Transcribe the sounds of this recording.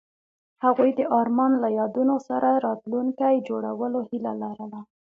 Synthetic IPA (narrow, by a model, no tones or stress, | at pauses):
haɣujd̪əʔɑɾmɑnlajɑd̪unosaɾʔaɾɑt̪luŋkajd͡ʒoɽa̰wəlohila̰laɾəla